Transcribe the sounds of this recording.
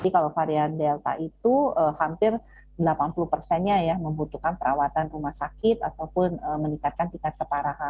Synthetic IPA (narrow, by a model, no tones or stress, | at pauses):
dikalawfaɾiandɛlt̪a̰ʔit̪uəhampɪr | dəlapanpuluhpərsɛnɲajaməmbut̪ukanpəɾawat̪anrumahsakɪt̪a̰t̪awpʊnəməniŋkat̪̚kant̪iŋkat̪̚kəpaɾaɦa